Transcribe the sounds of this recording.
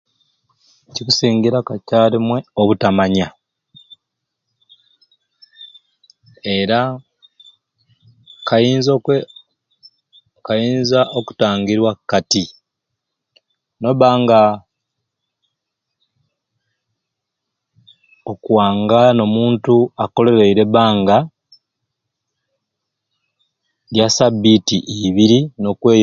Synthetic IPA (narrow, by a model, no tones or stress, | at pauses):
cikusiːŋɡiɾakacaːlimwe̞oβutamaɲa | eɾa | kajiːnzo | kajiːnzaʔoku̥taːŋɡiɾwakːati | no̞βaːŋɡa | okwaːŋɡano̞muːntuako̞le̞ɾeiɾe̞βaːŋɡa | ɾjasabːitiʔiβiɾino̞kwe̞ːj